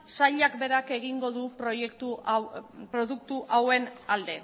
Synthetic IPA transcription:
saʎakbe̞ɾake̞ɣiŋɡo̞ðupɾojekt̪u | pɾo̞ðukt̪uʔawe̞nald̪e̞

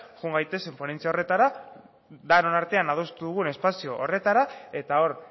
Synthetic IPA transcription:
ʝuŋɡajt̪e̞semponent͡siao̞re̞t̪aɾa | d̪anonaɾt̪e̞anað̞ost̪uðuɣ̞une̞spasio̞ʔore̞t̪aɾae̞t̪ao̞ɾ

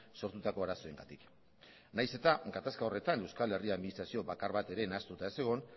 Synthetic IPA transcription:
so̞ɾt̪ut̪ako̞aɾaso̞e̞ŋɡa̰t̪ik | najse̞t̪aɡat̪askao̞re̞t̪ane̞wskale̞riaðminist̪ɾasio̞βakaɾβat̪e̞ɾe̞nast̪ut̪aese̞ɣ̞o̞n

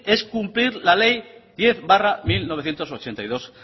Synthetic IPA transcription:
e̞skumpliɾlale̞jd̪̥je̞θbaramilnoβ̞θje̞nt̪oso̞t͡ʃe̞nt̪ajðo̞s

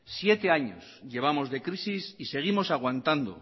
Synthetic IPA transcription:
sje̞t̪e̞aɲosʎe̞β̞amo̞zðe̞kɾisisise̞ɣ̞imo̞saɣ̞want̪and̪o̰

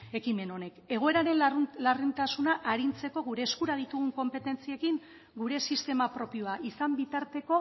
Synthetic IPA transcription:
e̞kime̞no̞ne̞ke̞ɣ̞o̞e̞ɾaɾe̞nlarint̪asunaʔaɾint͡se̞ko̞ɣ̞uɾe̞ːskuɾað̞it̪uɣuŋko̞mpe̞t̪e̞nt͡sie̞kiŋ | ɡuɾe̞sist̪e̞mapɾo̞pio̞aʔisambit̪aɾt̪e̞ko̞

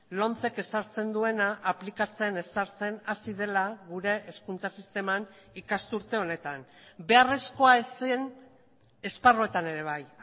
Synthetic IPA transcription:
lo̞nt͡se̞ke̞saɾt͡se̞nd̪ue̞naʔːplikat͡se̞ne̞saɾt͡se̞nasið̞e̞laɣuɾe̞ʔeskunt͡sasist̪e̞man | ikast̪uɾt̪e̞o̞ne̞t̪anbe̞are̞sko̞aesn | e̞sparo̞e̞t̪ane̞ɾe̞β̞aj

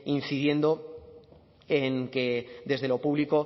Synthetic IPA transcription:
inθið̞je̞nd̪o̞ | eŋke̞d̪e̞zðe̞lo̞puβliko̞

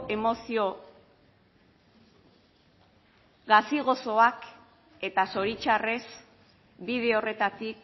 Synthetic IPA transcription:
emosio | ɣasiɣ̞o̞so̞ak | e̞t̪aso̞ɾit͡ʃare̞s | biðe̞ore̞t̪at̪ik

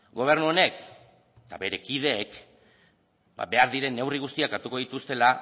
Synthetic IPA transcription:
ɡo̞β̞e̞ɾnuo̞ne̞k | t̪aβe̞ɾe̞kið̞e̞ːk | ba̰be̞aɾðiɾe̞nːe̞wriɣ̞ust̪iakaɾt̪uko̞ð̞it̪ust̪e̞la

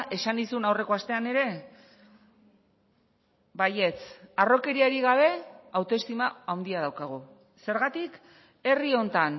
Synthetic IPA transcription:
ʔe̞sanisunawre̞ko̞ast̪e̞ane̞ɾe̞ | baje̞t͡saro̞ke̞ɾiaɾiɣ̞aβ̞e̞awt̪oe̞st̪imaawnd̪iað̞awkaɣ̞o | se̞ɾɣat̪ik | e̞rio̞nt̪an

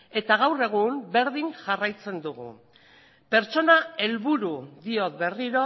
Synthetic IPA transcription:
e̞t̪aɣawre̞ɣ̞umbe̞ɾðiŋʝarajt͡se̞nd̪uɣṵ | pe̞ɾt͡so̞nae̞lβuɾuðio̞t̪βe̞riɾo̞

